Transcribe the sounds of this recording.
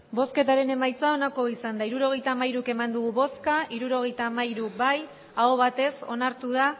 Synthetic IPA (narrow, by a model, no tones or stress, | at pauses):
bo̞ske̞t̪aɾe̞ne̞majt͡sao̞nako̞isand̪aiɾuɾo̞ɣ̞e̞jt̪aːmajɾuke̞mand̪uɣ̞uβo̞skaʔiɾuɾo̞ɣ̞e̞jt̪aːmaiɾubaj | aoβ̞at̪e̞so̞̰naɾt̪uð̞a